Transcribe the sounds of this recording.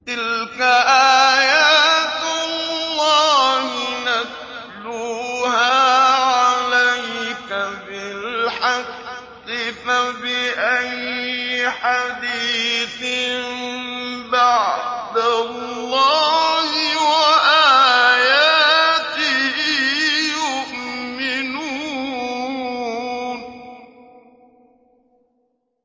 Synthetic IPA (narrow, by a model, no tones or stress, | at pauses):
t̪ɪlkaʔaːjaːt̪ɑlllːɑːhɪnas | luhaːʕʕalajkabɪlħa | ɪfabɪʔajɪħad̪iːθɪ | baʕd̪alˤːɑːhɪwaʔajaːt̪ɪhhjʊʔmɪnuː | n